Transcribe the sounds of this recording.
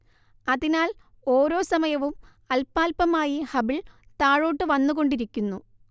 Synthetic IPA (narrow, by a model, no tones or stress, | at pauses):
ɐðinaːl | oːɾo̞ːsɐmɐjɐʋum | ɐlpːaːlpɐmaːjihɐbiɭt̪aːɻo̞ːʈːɨʋɐnːuɣo̞ɳɖiɾikʲːunːu